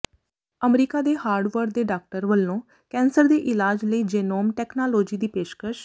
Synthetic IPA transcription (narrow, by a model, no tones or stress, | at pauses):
əmɾiːkaːd̪eːhaːɾɖʋəɾd̪eːɖaːk̚ʈəɾʋəlːõː | kɛ̃ːnsəɾd̪eːʔɪlaːd͡ʒləiːd͡ʒeːnoːmʈɛːknaːloːd͡ʒiːd̪iːpeːʃkəʃ